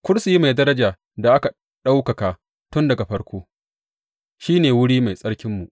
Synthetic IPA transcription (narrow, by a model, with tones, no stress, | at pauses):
kʷʊ˦ɽsu˨ji˦ma˨jdɐ˦ɾɐ˦d͡ʒaː˨ | da˨ʔa˦ka˨ | ɗa˦wkɐ˨ka˨ | tʊ˦ndɐ˨ɡa˨ɸɐ˦ɽkʷoː˦ | ʃiː˦neː˨wʊ˦ɽiː˦ma˨jsʼɐ˦ɽkʲɪ˦mːu˨ʔ